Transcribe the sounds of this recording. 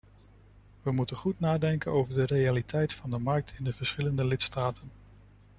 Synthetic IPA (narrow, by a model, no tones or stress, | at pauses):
ʋəmutənχutnaːdɛŋkənowvəɹdərejalitʰɛjtfɑndəmɑɹk̚tʰɪndəv̥əɹsχɪləndəlɪtstaːtʰən